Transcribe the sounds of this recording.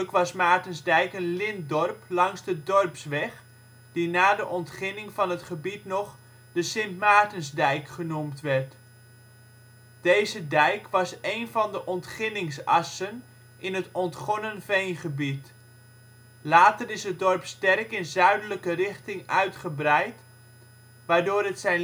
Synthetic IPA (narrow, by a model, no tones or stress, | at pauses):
kʋɑsmaːtənzdɛjkənlɪndɔrplɑŋzdədɔrpsʋɛχ | d̥inaːdəʔɔntχɪnɪŋvɑnɦətχəbitnɔχ | d̥əsɪntmaːtənzdɛjkχənumtʋɛrt | d̥ejzədɛjkʋɑsejnvɑndəʔɔntχɪnɪŋsɑ̰sən | ʔɪnɦətɔntχɔnənvejnχəbit | laːtərɪsət̚dɔrpstɛrkɪnzœɥdələkərɪχtɪŋœɥtχəbrɛjt | ʋaːɹdʊːɾɦətsɛjn